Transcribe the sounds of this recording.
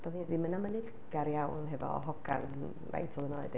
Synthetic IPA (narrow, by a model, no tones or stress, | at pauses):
d̥ɔviðimənamənɨð | ɡ̥aɾjawnɦɛvɔ̰ɦɔɡʰa̰n | va̰jntʰɔlˠənɔɨd